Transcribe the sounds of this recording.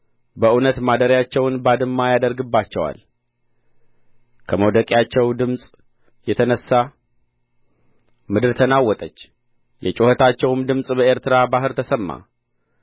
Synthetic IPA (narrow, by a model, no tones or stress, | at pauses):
bəʔunət̪mad̪əɾjat͡ʃːɛwnbad̪ɨmːajad̪əɾɡɨbːat͡ʃːɛwa̰l | kʰəməwd̪əkʼjat͡ʃːɛwd̪ɨmsʼ | jɛt̪ʰənəsːa | mɨd̪ɨɾt̪ʰənawːɔt̪ʼət͡ʃː | jɛt͡ʃʼohət̪ʰat͡ʃːɛwɨmd̪ɨmsʼbəeɾt̪ʰɨɾabaɦɨɾt̪ʰəsəmːa̰